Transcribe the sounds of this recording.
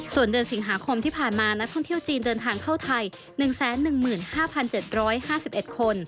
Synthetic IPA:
su˨˩əndɯː˧ənsi˩˦ŋɦaː˩˦kʰo˧mt̪ʰiː˥˩pʰaː˨˩nmaː˧na˦˥k̚t̪ʰɔ˥˩ŋt̪ʰəwt͡ɕiː˧ndɤː˧nt̪ʰaː˧ŋkʰa˥˩wt̪ʰa˧j | nɯ˨˩ŋsɛː˩˦nːɯ˨˩ŋmɯː˨˩nhaː˥˩pʰa˧nt͡ɕe˨˩t̪̚ɾɔː˦˥jhaː˥˩si˨˩p̚ʔe˨˩t̪̚kʰo˧n

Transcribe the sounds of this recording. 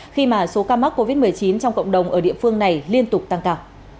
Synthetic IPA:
xi˧maː˨˩so˨˦kaː˧ma˦˥k̚kːo˧vi˦˥t̚mɨ˨˩əjt͡ɕi˨˦nt͡ɕɔ˧ŋ͡mkə̰˧˨wŋ͡mɗə˨˩wŋ͡mʔəː˧˩ɗḭ˧˨əfɨ˧əŋna˨˩jli˧ənt̪ʊ˨˩k͡p̚t̪a˧ŋkaː˧w

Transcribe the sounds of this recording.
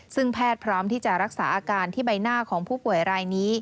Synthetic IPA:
sɯ˥˩ŋpʰɛː˥˩t̪̚pʰɾɔː˦˥mt̪ʰiː˥˩t͡ɕa˨˩ʔɾa˦˥k̚saː˩˦ʔaː˧kaː˧nt̪ʰiː˥˩ba˧jnaː˥˩kʰɔː˩˦ŋpʰuː˥˩pu˨˩əjɾaː˧jniː˦˥

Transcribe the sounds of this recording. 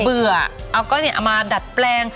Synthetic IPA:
bɯ˨˩ɐʔa˧wkɔ˥˩niː˦˩˨ʔa̰˨˩wmaː˧da˨˩t̪̚plɛː˧ŋ

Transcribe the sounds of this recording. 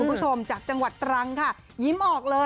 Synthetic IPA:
u˧npʰu˦˥t͡ɕʰo˧mt͡ɕaː˨˩k̚t͡ɕa˧ŋwa˨˩t̪ːɾa˧ŋkʰa˥˩ | ji˦˥mʔɔː˨˩k̚lɤː˧

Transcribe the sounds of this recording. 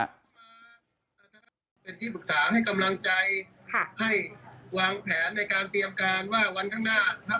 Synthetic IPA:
maː˧ | a˧˩t̪ʰːa˧ | pe˧nt̪ʰiː˥˩pʰɯ˩k̚saː˩˦ha˥˩jka˧mla˧ŋt͡ɕa˧jʰ | ha˥˩jwaː˧ŋpʰɛː˩˦nːa˧jkaː˧nt̪i˧əmkaː˧nwaː˥˩wa˧nkʰa˥˩ŋnaː˥˩t̪ʰa˦˥

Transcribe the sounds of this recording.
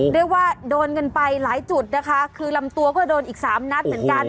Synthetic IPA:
ɾɯ˥˩əkwaː˥˩doː˧nŋɤ˧npa˧jlaː˩˦jt͡ɕu˨˩t̪̚na˦˥kʰa˦˥kʰɯː˧la˧mt̪u˧ɐkɔː˥˩doː˧nʔiː˨˩k̚saː˩˦mna˦˥t̪̚mɯ˩˦ənka˧n

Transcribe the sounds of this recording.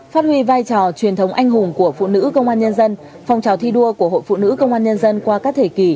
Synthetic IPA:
faː˦˥t̚hwi˧vaː˧jt͡ɕɔ˧˩t͡ɕwi˨˩ənt̪ʰə˨˦wŋ͡mʔa˧jŋ̟ɦʊ˨˩ŋ͡mku˧˩əfṵ˧˨nɨ̰˧˥kə˧wŋ͡mʔaː˧nɲə˧nzə˧n | fa˨˩wŋ͡mt͡ɕaː˨˩wt̪ʰi˧ɗu˧əku˧˩əɦo̰˧˨jfṵ˧˨nɨ̰˧˥kə˧wŋ͡mʔaː˧nɲə˧nzə˧nkwaː˧kaː˦˥k̚t̪ʰe˧˩ki˧˩

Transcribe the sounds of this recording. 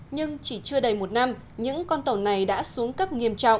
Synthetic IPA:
ɲɨ˧ŋt͡ɕi˧˩t͡ɕɨ˧əɗə˨˩jmo˨˩t̚na˧m | ɲɨ̰˧˥ŋkɔ˧nt̪ə˨˧˩wna˨˩jɗa̰ː˧˥su˨˦əŋkə˦˥p̚ŋi˧əmt͡ɕɔ̰˧˨wʔ

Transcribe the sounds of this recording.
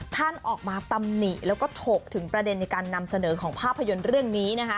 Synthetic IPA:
t̪ʰa˥˩nʔɔː˨˩k̚maː˧t̪a˧mni˨˩lɛː˦˥wkɔː˥˩t̪ʰoː˨˩k̚t̪ʰɯ˩˦ŋpɾa˧de˧nːa˧jkaː˧nːa˧msa˧nɤː˩˦kʰɔː˩˦ŋpʰaː˥˩pʰːa˧jo˧nɾɯ˥˩əŋniː˦˥na˦˥kʰa˦˥

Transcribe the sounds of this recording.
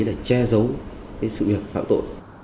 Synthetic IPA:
jlaː˨˩t͡ɕɛ˧zə˨˦wkaː˨˦jsɨ̰˧˨vi˨˩ək̚fa̰ː˧˨mt̪o̰˧˨j

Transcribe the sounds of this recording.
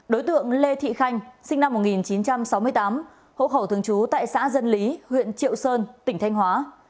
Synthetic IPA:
ɗo˨˦jt̪ɨ̰˧˨əŋle˧t̪ʰḭ˧˨xa˧jŋ̟sï˧ŋ̟na˧mːo˨˩t̚ŋi˨˩nt͡ɕi˨˦nt͡ɕa˧msa˨˦wmɨ˧əjt̪aː˨˦m | ho̰˧˨xə˧˩wt̪ʰɨ˧˩əŋt͡ɕu˨˦t̪a̰ː˧˨jsa̰ː˧˥zə˧nli˨˦hwḭ˧˨ənt͡ɕḭ˧˨əwsəː˧nt̪ï˧˩ŋ̟t̪ʰjŋ̟ɦwaː˨˦

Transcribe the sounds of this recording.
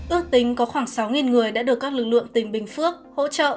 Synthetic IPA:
ʔɨ˦˥ək̚t̪ï˨˦ŋ̟kɔ˨˦xwaː˧˩ŋsa˨˦wŋi˨˩nŋɨ˨˩əjɗa̰ː˧˥ɗɨ˨˩əkːaː˦˥k̚lɨ˨˩k̚lɨ̰˧˨əŋt̪ï˨˩ŋ̟ɓï˨˩ŋ̟fɨ˦˥ək̚ho̰˧˥t͡ɕə̰ː˧˨ʔ

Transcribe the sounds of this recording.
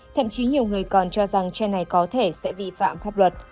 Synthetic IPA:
t̪ʰə̰˧˨mt͡ɕi˨˦ɲi˨˩əwŋɨ˨˩əjkɔ˨˩nt͡ɕɔ˧za˨˩ŋt͡ɕɛ˧na˨˩jkɔ˨˦t̪ʰe˧˩sɛ̰˧˥vi˧fa̰ː˧˨mfaː˦˥p̚lwə˨˩t̚

